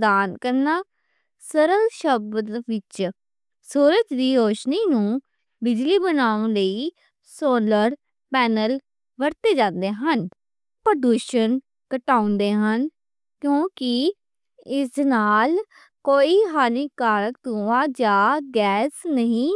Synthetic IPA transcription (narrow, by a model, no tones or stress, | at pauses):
d̪aːnkəɾnaː | səɾəlʃəbt̪ʋɪt͡ʃ | suːɾəd͡ʒd̪iːɾoːʃniːnũː | bɪd͡ʒliːbənãːləiː | soːləɾ | pɛːnəl | ʋəɾt̪eːd͡ʒãːnd̪eːɦən | pəɖ̪uːʃən | kəʈaːʊ̃nd̪eːɦən | kjõːkɪ | ɪsnaːl | koːiːɦaːniːkaːɾək̚t̪uãːd͡ʒaːɡɛːsnəɦĩː